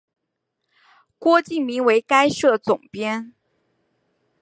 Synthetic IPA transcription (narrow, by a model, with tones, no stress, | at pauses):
kwɔ˥t͡ɕi˥˩ŋmi˧˥ŋwe˧˥ɪka˥ɪʂɤ˥˩t͡sʊ˨˩ŋpjɛ˥n